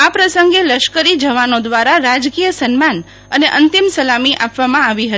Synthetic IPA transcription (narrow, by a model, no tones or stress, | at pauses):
apɾəsəŋɡeləʃkəɾid͡ʒəʋanod̪ʋaɾaɾad͡ʒkijəsənman | əneʔənt̪imsəlamiʔapʋamãaʋiɦət̪i